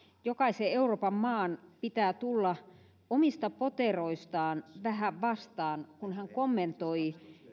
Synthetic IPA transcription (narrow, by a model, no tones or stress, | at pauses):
jokɑiseeuroːpɑmmɑːnpit̪æːt̪ulːɑ | omist̪ɑpot̪eroist̪ɑːnʋæhæʋʋɑst̪ɑːnkunhæŋkomːent̪oi